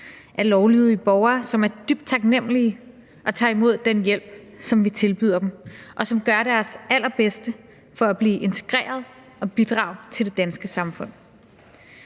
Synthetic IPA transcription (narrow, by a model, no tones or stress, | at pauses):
ʔæɐlɒʊliːð̩ˠib̥ɒʊɐːsɒ̽mæɐd̥yb̥̚d̥t͡sʰɑ̈ɡ̥nem̰əli | ʔɒ̽t͡sʰɑ̰̈ːimo̝ð̞̰ˠd̥enjel̰b̥ | sɒ̽mʋit͡sʰe̝lb̥y̰ð̞̰ˠɐd̥emʔɒ̽sɒ̽mɡ̥ɶɐɾ̥æɐsæl̰ɐb̥esd̥ə | fɒ̽æb̥liːʔe̝nt͡sʰe̝̥ɡ̥ʁḛːɐð̞ˠ | ɒ̽b̥id̥ʁɑ̰̈ːʊðˠt͡sʰe̝ld̥e̝d̥ænsɡ̥əsɑ̈mfɔ̽n̰